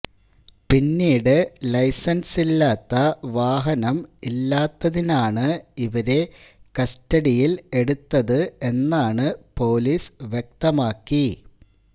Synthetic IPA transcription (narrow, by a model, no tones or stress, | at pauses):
pinːiːɽɨlɐjsɐnsilːaːt̪ːɐʋaːɦɐnɐmilːaːt̪ːɐðinaːɳɨiʋɐɾe̞kɐstɐɽijile̞ɽut̪ːɐðɨe̞nːaːɳɨpo̞ːlisʋjek̚t̪ɐmaːkːi